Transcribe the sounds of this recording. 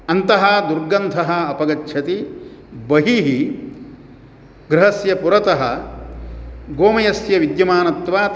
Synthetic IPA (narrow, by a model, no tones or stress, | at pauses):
ɐnt̪ɐɦɐd̪uɾɡɐnd̪ʱɐɦɐːpɐɡɐt͡ʃːʃʰɐt̪ibɐɦiɦi | ɡɾɪɦɐsjɐpuɾɐt̪ɐɦɐ | ɡoːmɐjɐsjɐʋid̪jɐmaːnɐt̪ʋaːt